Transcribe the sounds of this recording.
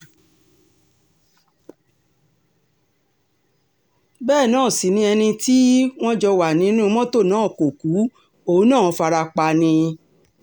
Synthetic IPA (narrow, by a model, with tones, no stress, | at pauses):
bɛː˦˨nãː˦˨si˨˦nĩ˧˦ɛ˧nĩ˧ti˦w̃ɔ̃˦d͡ʒɔ˧wa˨nĩ˨˦nũ˦mɔ̃˦to˦˨nãː˨˦˨ko˨ku˨˦ | o˦˨˦nã˦˨˦fa˧ɾa˧k͡pa˧nĩ˧